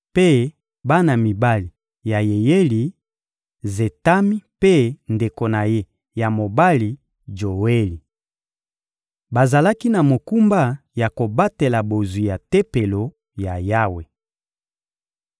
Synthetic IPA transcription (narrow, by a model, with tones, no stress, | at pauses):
pe˦ | ba˦na˨mi˨ba˦li˨ | ja˨je˨je˦li˨ | ze˨ta˦mi˦pe˦nde˨ko˨na˨je˦ | ja˨mo˨ba˦li˨ | d͡ʒo˨we˦li˨ | ba˨za˨la˦ki˦na˨mo˨ku˦mba˦ja˨ko˨ba˦te˨la˨bo˨zu˨ja˨te˦pe˨lo˨ | ja˨ja˦we˨